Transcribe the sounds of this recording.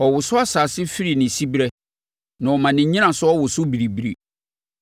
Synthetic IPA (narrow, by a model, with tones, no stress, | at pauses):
ɔ˨wʊ˨sʊ˦a˦saː˨sɪ˦fi˦ɾi˨nɪ̃˨si˦bɾɛ˦ | nã˨ɔ˨mã˨nɪ̃˨ɲĩ˦ã˨sʊ˦ɔ˦wʊ˨sʊ˦bi˨ɾi˨bi˦ɾḭ˨